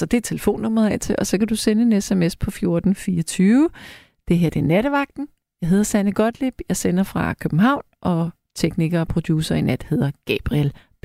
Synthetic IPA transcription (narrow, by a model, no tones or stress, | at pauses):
sɒ̽d̥e̝t͡sʰe̝ləfo̝̰ːnːɔ̽m̰ɐð̩ˠɛ̰t͡sʰe̝ʔɒ̽sɒ̽kæd̥usenəe̝nesemespʰɒ̽fjo̝ɐd̥n̩fiːɐt͡sʰyːʊə | d̥e̝ɦeɐd̥enæɾ̥əʋɑ̈ɡ̥̚d̥n̩ | jɑ̈ɪɦe̝ðˠɐsænəɡ̥ɒ̽d̥lib̥jɑ̈ɪsenɐfʁɑ̈kʰøb̥m̩ɦɑ̈ʊ̰nʔɒ̽ | t͡sʰeɡ̥niɡ̥ɐːpʰʁo̝d̥juːsɐinæd̥he̝ð̰ˠɐɡ̥ɛb̥ʁiel̥